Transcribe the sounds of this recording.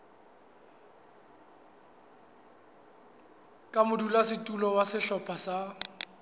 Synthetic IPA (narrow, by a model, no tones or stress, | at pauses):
kʼamʊdulasɪtʼulɔwasɪʃɔpʰʼasa